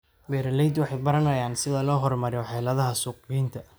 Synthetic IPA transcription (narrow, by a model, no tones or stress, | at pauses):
bɛːɾɐlɛjd̪wɑħɑjbɐɾɐnɐjaːnsɪðɐlɔːɦɔrmɐɾɔħɛːlɐðɐɦɐsuːqiːnt̪ʰɐ